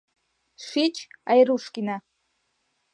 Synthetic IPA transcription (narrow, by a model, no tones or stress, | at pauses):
ʃʷit͡ʃʰajɾuʂkʲina